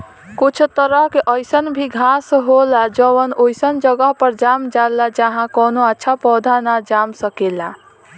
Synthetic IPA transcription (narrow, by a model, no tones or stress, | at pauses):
kut͡ʃʰt̪əɾəɦkeʔəjsənbʱiɡʱãsɦolad͡ʒəwənojsənd͡ʒəɡəɦpəɾd͡ʒamd͡ʒalad͡ʒaɦãkɔnoətːʃʰapɔd̪ʱanad͡ʒamsəkela